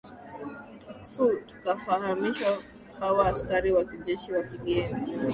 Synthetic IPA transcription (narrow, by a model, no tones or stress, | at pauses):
futkafahamiʃwa | hawaːskaɾiwakiʄɛʃiwakiɡɛni